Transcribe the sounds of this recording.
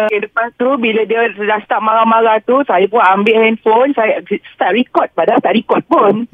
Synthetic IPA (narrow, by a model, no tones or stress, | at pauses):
kɛdəpant̪ɾubiladiəəlast̪aʔ̚maɣamaɣat̪usajap̬unambɪʔhɛndfonsajst̪aʔ̚ɾikɔt̪̚padast̪aʔɾikɔt̪̚pun